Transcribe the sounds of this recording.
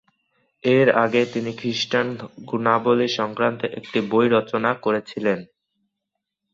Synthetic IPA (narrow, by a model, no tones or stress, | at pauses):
eɾa̰ɡet̪inikʰɾiʃʈanɡunaboliʃɔŋkɾant̪eʔek̚ʈibojɾɔt͡ɕonakoɾet͡ɕʰilen